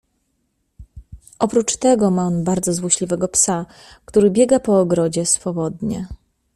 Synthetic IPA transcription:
ʔɔpɾut͡ʂt̪ɛɡɔmaɔnbaɾd̪zɔzwɔɕlʲivɛɡɔpsa | kt̪uɾɘbʲjɛɡapɔːɡɾɔd͡ʑɛsfɔbɔd̪ɲɛ

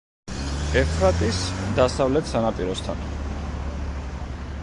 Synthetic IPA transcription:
ɛfʰɾat̪ʼisd̪asavlɛt̪ʰsanapʼiɾɔst̪ʰa̰n

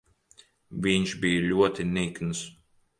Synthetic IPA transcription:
vʲiɲʃbijlʲuɔt̪inʲikns

